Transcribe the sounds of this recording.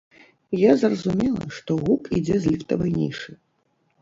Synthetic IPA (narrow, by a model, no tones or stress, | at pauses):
jazrɐzumʲɛlˠɐ̰ʂt̪ɔɣukid͡zʲɛzʲlʲift̪ɐvɐjnʲḭʂɨ